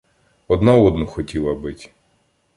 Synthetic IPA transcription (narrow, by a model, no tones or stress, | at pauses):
ɔd̪naɔd̪nʊxɔtʲilˠɐbɪtʲ